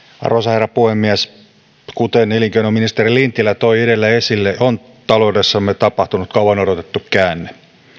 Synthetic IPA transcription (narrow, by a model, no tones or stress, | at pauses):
ɑ̰rosɑherːɑpuhemːiæs | kut̪eneliŋkeinominist̪erilint̪ːilːæt̪oieɾelːæesilːeon | t̪ɑloudesːɑmːet̪ɑpɑht̪unut̪kɑuwɑnoɾot̪et̪ːukkæːnːe